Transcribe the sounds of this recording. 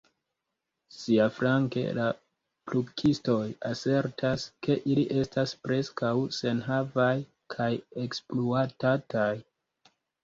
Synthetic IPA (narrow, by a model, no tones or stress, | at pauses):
siafɾaŋke̞̰la | plukʰisto̞jase̞ɾtʰaske̞ʔiliʔe̞staspɾe̞skawse̞nɦavaj | kʰaje̞kspluatataj